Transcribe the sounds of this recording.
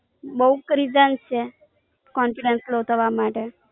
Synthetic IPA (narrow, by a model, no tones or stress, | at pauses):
bəukɾizənt͡ʃʰe | kɔnfiɖənslot̪ʰəʋamaʈe